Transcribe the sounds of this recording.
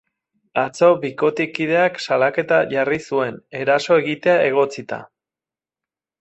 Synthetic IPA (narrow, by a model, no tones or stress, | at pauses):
at͡so̞βiko̞t̪ikið̞e̞aksalake̞t̪aʝarisue̞ne̞ɾaso̞e̞ɣit̪e̞aʔe̞ɣ̞o̞t͡sit̪a̰